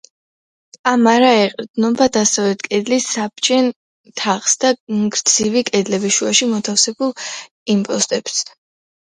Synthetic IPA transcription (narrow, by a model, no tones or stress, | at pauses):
amaɾaɛqʼɾd̪̥nɔbad̪asɛvɛkʼɛd̪lisːap̚t͡ʃʰɛn | t̪ʰaʁsd̪aɡɾd̪z̥ivikʼɛd̪lɛbiʃuaʃimɔt̪ʰafsɛbulˠ | impʼɔst̪ʼɛps